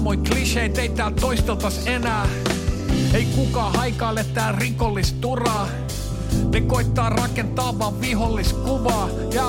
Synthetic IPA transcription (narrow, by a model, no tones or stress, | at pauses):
moikliʃeit̪eit̪æːlt̪oist̪elt̪ɑsenæː | eikukɑːhɑikɑːlet̪æːrikolːist̪urɑː | nekoit̪ːɑːrɑkent̪ɑːʋːˑɑːʋʋiholːiskuʋɑː | jɑ